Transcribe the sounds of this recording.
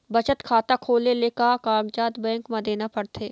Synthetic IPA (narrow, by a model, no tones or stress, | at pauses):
bɐt͡ʃət̪kʰaːt̪akʰoːleleːkakãːɡd͡ʒaːt̪bɛ̃ːŋkmãd̪eːnapɐɽt̪ʰeː